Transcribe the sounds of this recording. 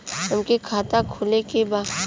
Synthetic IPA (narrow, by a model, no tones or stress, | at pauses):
ɦɐmkekʰaːt̪akʰoːlekebaː